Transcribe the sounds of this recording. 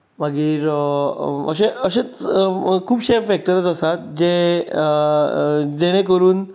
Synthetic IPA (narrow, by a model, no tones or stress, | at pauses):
maɡiːɾ | ə̰ɕeəɕet͡skʰuːbɕeɾfɛk̚ʈəɾət͡səsat̪̚d͡ʑe | d͡zeɽ̃ẽkəɾuːn